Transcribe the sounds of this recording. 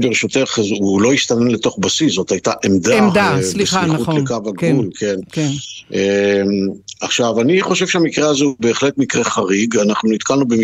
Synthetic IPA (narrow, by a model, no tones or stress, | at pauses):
beʁeʃut̪eχzulo̞iʃt̪anenlet̪o̞χbasiszo̞t̪hajt̪aʔemd̪amdalesiχulekavaɡulkʰennemaχʃavaniχo̞ʃe̞v̥ʃeamikʁeazeube̞ːχle̞t̪mikʁeχaʁiɡanaχnunit̪kalnubem